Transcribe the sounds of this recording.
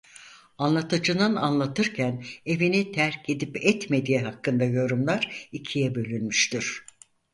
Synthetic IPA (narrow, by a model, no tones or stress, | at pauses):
anlˠat̪ʰɯd͡ʒɯnɯnanlˠat̪ʰɯɾcʰæne̞vinit̪ʰæɾced̪ipɛt̪me̞d̪ijɛɦakːɯnd̪ajo̞ɾumlˠaɾicʰijɛbø̞lʲynmyʃt̪ʰiɾ̥